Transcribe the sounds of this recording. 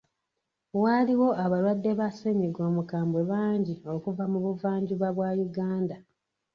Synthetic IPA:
waːliwo̞aβaɾwadːe̞βaseɲiɡo̞ːmukaːmbwe̞βaːɲɟio̞kuvamuβuvaːɲɟuβaβwajuɡaːnda

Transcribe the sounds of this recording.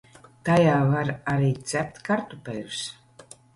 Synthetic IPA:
t̪ajaːvaɾaɾiːt̪z̥æp̚t̪ʲkaɾt̪upɛjɾs

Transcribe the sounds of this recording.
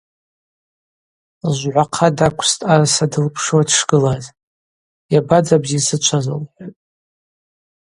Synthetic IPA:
ʒʷʕʷaqʰadakʷʰstʼarasadɨlpʰʂowadʰʂɡ̥ɨlaz | jabad͡zabzisɨt͡ʃʷʰazo̰lħʷatʼ

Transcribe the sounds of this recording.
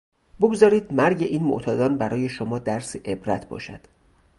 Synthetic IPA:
boɡzɒːɾiːd̪mæɾɟe̞ʔiːnmo̰ʔt̪ʰɒːd̪ɒːnbæɾʔɒːje̞ʃomɒːd̪æɾseʔebɾæ̰t̪ʰbɒ̰ːʃæ̰d̪̥

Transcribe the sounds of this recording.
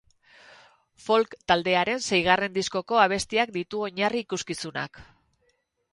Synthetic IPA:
fo̞lkt̪ald̪e̞aɾe̞nse̞jɣ̞are̞nd̪isko̞ko̞aβ̞e̞st̪iak̚d̪it̪uo̞ɲariːkuskisuna̰k

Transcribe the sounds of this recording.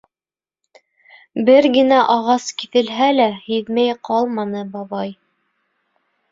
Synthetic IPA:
bɘɾɡɘ̆næʔɑʁɑskiθɘ̆lɦælæhiðmæjqɑlˠmɑnɤbɑβɑj

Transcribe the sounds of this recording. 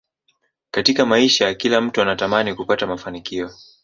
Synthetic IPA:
katikamaiʃajakilam̩tuanatamanikupatamafanikiɔ

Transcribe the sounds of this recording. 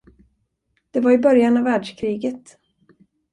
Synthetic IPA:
d̪̥ɛvaɾɪbœɾjanavːæːɖʂkʰɾiːɡət̪

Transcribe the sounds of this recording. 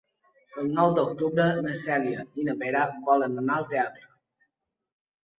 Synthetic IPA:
əlˠnɔwd̪ok̚t̪uβɾənəsɛljəinəpeɾaβɔlənənaəlˠt̪eat̪ɾə

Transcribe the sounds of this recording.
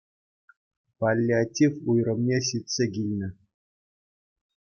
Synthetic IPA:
palʲːiatʲifujrɤ̆mnʲeɕitʲsʲeɡʲilʲnʲɘ̆

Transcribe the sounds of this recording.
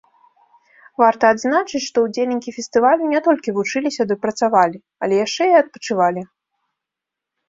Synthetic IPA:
vart̪ɐːd̪znat͡ʂɨt͡sʲʂt̪ɔwd͡zʲelʲnʲikʲifʲɛst̪ɨvalʲnʲɛt̪ɔlʲkʲivut͡ʂɨlʲisʲɐd̪ɨpɾɐt̪savalʲi | ɐ̰lʲɛjaʂt͡ʂɛjɛɐt̪̚pɐ̥t͡ʂɨvalʲi

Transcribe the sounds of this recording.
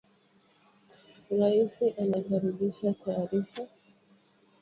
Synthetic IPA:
ɾaisiʔanakaɾiɓiʃatʰaːɾifa

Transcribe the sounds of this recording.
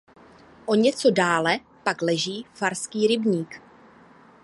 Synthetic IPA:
ʔo̞ɲɛt͡so̞daːlɛ | paklɛʒiːfaɾskiːɾɪbɲiːk

